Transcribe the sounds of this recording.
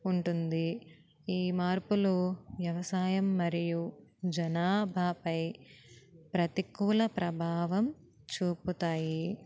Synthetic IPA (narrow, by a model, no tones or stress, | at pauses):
uɳʈund̪i | iːmaːɾpuloːʋjɐʋɐsaːjɐmːɐɾijud͡ʒɐnaːbʱaːpɐj | pɾɐt̪ikuːlɐpɾɐbʱaːʋɐm | t͡ʃuːput̪aːji